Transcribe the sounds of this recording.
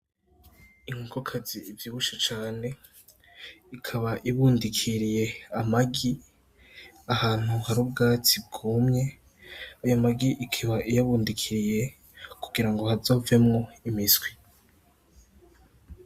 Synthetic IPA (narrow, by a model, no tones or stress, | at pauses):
iŋ̥ukʰokʰaziːvjiβuʃat͡ʃaːne̞ | ikʰaβaʔiβuːndikʰiɾije̞amaɡi | ahaːn̥huhaɾubɡaːt͡sib̚ɡuːmɲe̞ | ajamaɡiʔikʰiβaʔijaβuːndikʰiɾije̞ | kuɡiɾaŋɡo̞hazo̞ːve̞mŋo̞imisɡwi